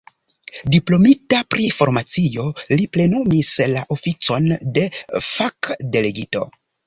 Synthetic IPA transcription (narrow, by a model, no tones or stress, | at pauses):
diplo̞mitapɾʔifo̞ɾmat͡sio̞liple̞nomislaʔo̞fit͡so̞nde̞fakde̞le̞ɡito̞